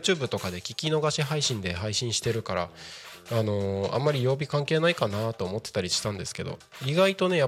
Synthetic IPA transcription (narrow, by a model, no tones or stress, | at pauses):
t͡ɕɨːbɯ̟t̪o̞kad̪e̞kʲikʲino̞ɡaɕiɦaiɕĩnd̪e̞ɦaiɕĩɰ̃ɕi̥t̪e̞ɾɯ̟kaɾa̰ano̞ã̰mːaɾʲijo̞ːbʲikãŋke̞ːnaikanat̪o̞ːmo̞t̪ːet̪aɾʲiɕi̥t̪ãnd̪e̞̰sɨ̥ke̞d̪o̞̰iɡait̪o̞ne̞ja